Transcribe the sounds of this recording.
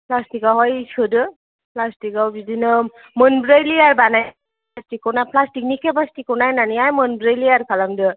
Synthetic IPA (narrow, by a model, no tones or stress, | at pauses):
pʰlastikawɦɔjsʰɯdɯ | pʰlastikawzidinɯ | mɯnbɾejliaɹbanaj | astikɔwnapʰlastik̚nikʰebastikːɔwnajnanijajmɯnbɾejliaɾkʰalamdɯ